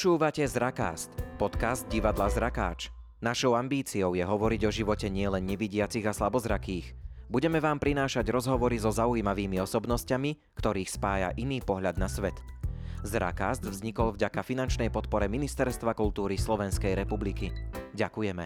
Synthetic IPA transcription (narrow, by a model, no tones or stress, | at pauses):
pɔt͡ʃuːʋacɛzɾaka̰ːst̪pɔt̪kazd̪̚ɟiʋad̪lazɾaka̰ːt͡ʃ | naʃɔʊambiːt͡siɔʊjɛɦɔʋɔɾiɟɔʒiʋɔcɛɲɪɛlɛnɲɛʋiɟɪat͡siɣaslabɔzɾakiːɣbuɟɛmɛʋaːmpɾinaːʃaɟɾɔzɦɔʋɔɾizɔzaujimaʋiːmiɔsɔbnɔscami | kt̪ɔɾiːxspaːja̰ʔiniːpɔɦʎad̪̚nasʋɛt̪ | zɾa̰kaːzd̪vzɲikɔlvɟakafinant͡ʃnɛjpɔt̪̚pɔɾɛminist̪ɛɾst̪ʋakult̪uːɾislɔʋɛnskɛjɾɛpublikiɟakujɛmɛ̰